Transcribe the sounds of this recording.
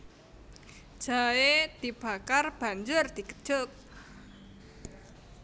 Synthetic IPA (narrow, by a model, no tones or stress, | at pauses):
ʒ̥aed̪̥ib̥a̤karb̥a̤ɲd͡ʒʊrd̪̥i̤kə̥ʒ̥ʊk̚